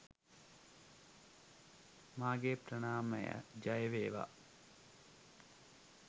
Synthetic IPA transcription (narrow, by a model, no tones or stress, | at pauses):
maːɡepɾɐɳaːmə̰jə̰d͡ʒajəʋeːʋa̰